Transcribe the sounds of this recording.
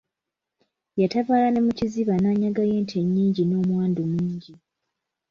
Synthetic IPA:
jatavaːlane̞muciziβanaːɲaɡaje̞ːntʰe̞ɲːiːɲɟino̞ːmwaːndumuːɲɟi

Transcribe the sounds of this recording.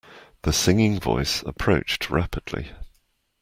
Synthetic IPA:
ðəsɪ̃ŋɪ̃ŋvɔ̰ɪsə̰pʰɹ̥əʊt͡ʃtʰɹa̰pʰəd̥ˡlḭ

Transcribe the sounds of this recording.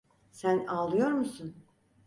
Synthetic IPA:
sænalˠːɯjo̞ɾmusun

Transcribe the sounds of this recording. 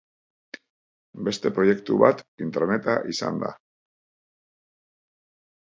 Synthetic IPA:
be̞st̪e̞pɾo̞je̞kt̪uβat̪int̪eɾne̞t̪aʔisa̰nd̪a̰

